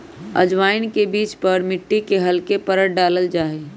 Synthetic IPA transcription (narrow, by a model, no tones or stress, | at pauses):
ə̰d͡ʒʋaːɪnkebiːt͡ʃpəɾmɪʈːikeɦɐlkepəɾəʈ̚ɖaːləld͡ʒaːɦe